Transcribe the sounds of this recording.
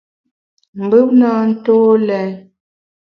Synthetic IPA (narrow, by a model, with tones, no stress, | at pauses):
m̩˨bɨ˦p̚naː˦n̩˦toː˦lɛ˨˦